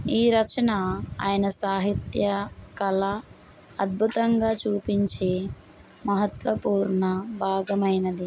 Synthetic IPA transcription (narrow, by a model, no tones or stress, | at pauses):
iːɾɐt͡ʃɐnaaːjɐnɐsaːɦit̪jɐkɐlɐ | ɐd̪̚bʱut̪ɐŋɡaːt͡ʃuːpiɲt͡ʃeː | mɐɦɐt̪ʋɐpuːɾɳɐbʱaːɡɐmɐjnɐd̪i